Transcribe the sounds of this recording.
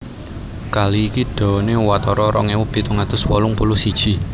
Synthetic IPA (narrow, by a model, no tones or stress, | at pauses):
kaliːkiɖ̪̥ɔ̤newat̪ɔɾɔɾɔŋewub̥i̤t̪uŋad̪̥ʊswɔlʊŋpulʊsid̥ʒ̥i̤